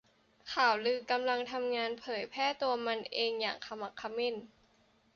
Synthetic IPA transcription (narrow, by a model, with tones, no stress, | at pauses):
kʰaː˨˩wlɯː˧˩ka˧mla˧ŋt̪ʰa˧mŋaː˧npʰɤː˨˩˦jpʰɛː˥˩t̪u˧ɐma˧nʔeː˧ŋja̰ː˨˩ŋkʰa˧ma˧˩kʰːa˧me˥˩˨n